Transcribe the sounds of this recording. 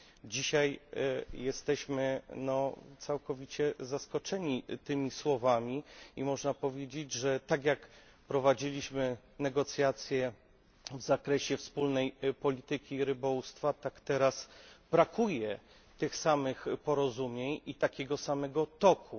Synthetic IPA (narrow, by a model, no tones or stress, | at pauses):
d͡ʑiɕajjɛst̪ɛɕmɘnɔt̪sawkɔvʲit͡ɕɛzaskɔt͡ʂɛɲit̪ɘmʲiswɔvamʲiimɔʐnapɔvʲjed͡ʑed͡ʑʐɛt̪aɡʲjak | pɾɔvad͡ʑilʲiɕmɘ | nɛɡɔt̪sʲjat̪sʲjɛ | vzakɾɛɕɛfspulnɛjpɔlʲit̪ɘkʲiɾɘbɔust̪fat̪akt̪ɛɾasbɾakujɛ | t̪ɘxsamɘxpɔɾɔzumʲjeɲit̪akʲeɛɡɔsamɛɡɔt̪ɔkʰu